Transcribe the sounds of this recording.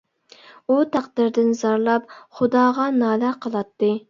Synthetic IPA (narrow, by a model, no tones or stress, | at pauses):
ut̪ʰɑqd̪ɨɾd̪ɪnzɑɾlˠɑp̚χʊd̪ɑːʁɑnɑːlæqʰəlˠɑt̪ːɨ